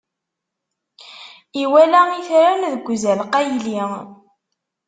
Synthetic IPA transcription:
iwælæiθɾænðəɡʷːzælqæjli

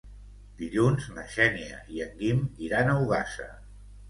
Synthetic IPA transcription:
d̪iʎunzməʃɛniə̰iəŋɡimiɾanəwɣasə̰

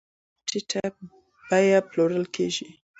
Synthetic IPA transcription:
ʈʰɪʈʰa | b̥ajaploɾəlkʰḛʒi

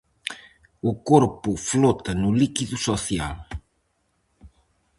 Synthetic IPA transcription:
ukoɾpuflot̪ɐnulikiðusoθial

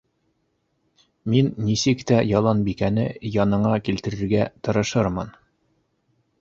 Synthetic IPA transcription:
minːisɘkt̪æjɑlˠɑnbikænɘjɑnɤ̆ɴɑkilt̪ɘ̆ɾɘ̆ɾɡæt̪ɤ̆ɾɤ̆ʃɤɾmɤn

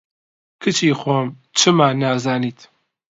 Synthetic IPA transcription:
kʰɨt͡ʃʰiːxoːm | t͡ʃʰɨmaːnaːzaːniːt̪ʰ

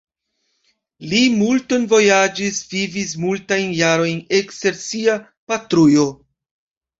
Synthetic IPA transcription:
limulto̞nvo̞jad͡ʒisvivis̬multajnjaɾo̞jnekste̞ɾsia | patɾujo̞

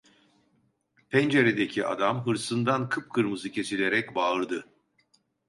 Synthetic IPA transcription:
pʰɛnd͡ʒeɾed̪ecʰiʔa̰d̪amɦɯɾsɯnd̪ankʰɯp̚kʰɯɾmɯzɯcʰe̞silʲe̞ɾɛcbaːɯɾd̪ɯ

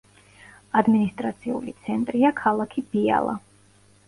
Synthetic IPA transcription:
ad̪minist̪ʼɾat̪sʰiṵlit̪sʰɛnt̪ʼɾiakʰalˠakʰibia̰lˠa̰

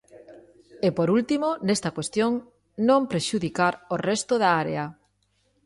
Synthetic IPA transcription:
epoɾult̪imonest̪ɐkwest̪joŋ | nõmpɾeʃuðikaɾorɛst̪oðaaɾḛa

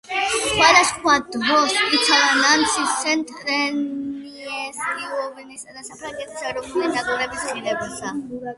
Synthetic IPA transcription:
χχwad̪askʰwad̪ɦɔsit̪ʰadanant̪sʰiɛnt̪ʼɾɛniɛsniɔvɛnisad̪asapʰɾaŋɡɛt̪ʰi̥saɾɔpʰulinaɡ̪ɔɾɛbisχiɾɛbasa

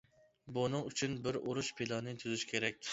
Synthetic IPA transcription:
bunɨŋyt͡ʃʰynbɪɾuɾuʃpʰelˠɑnɨt̪ʰyzyʃkʲʰeɾɛk̚ʲ

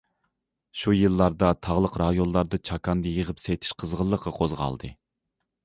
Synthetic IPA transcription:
ʃujɨlˠːɑɾd̪ɑt̪ʰɑʁlˠəqɾɑjonːˠɑɾd̪ɨt͡ʃʰɑkʰɑnd̪ɨjəʁəpsejt̪ʰi̥ʃqʰəzʁəlˠːəqʰːɑqʰozʁɑ̰lˠd̪ɨ̰

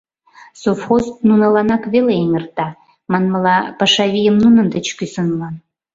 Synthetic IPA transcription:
sofxoznunɑlɑnɑkβeleeŋərt̪ɑ | mɑnmɤlɑpɑʃɑβijəmnunə̆nd̪ət͡ɕkysə̆nlɑn

